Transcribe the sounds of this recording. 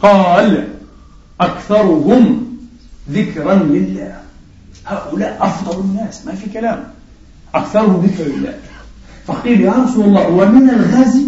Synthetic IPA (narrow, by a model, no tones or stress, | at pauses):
qɑːl | ʔakθɑɾˤʊɦʊm | ðɪkɾanlɪlːaːh | haːʔʊlaːʔʔɑfd̪ˤɑlɪnːaːsmafikalaːm | ʔakθɑɾˤʊhʊmðɪkɾlɪlːa̰ːh | fɑqiːlɑɾˤɑsuɑlˤːɑːwamɪnalɣaːzi